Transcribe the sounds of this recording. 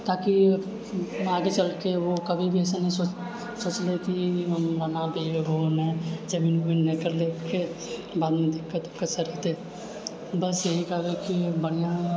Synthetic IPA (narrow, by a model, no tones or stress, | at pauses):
t̪aːki | aːɡet͡ʃɐlkeʋokɐbʱibʱiɛːsenəɦiso | soːt͡ʃlekiɾɐnabebʱoːnẽd͡ʒɐbinubinnẽkəɾlekebaːd̪mẽd̪ɪkːət̪ʊkəsəɾit̪e | bɐsjɐɦikɐɡekibəɽijã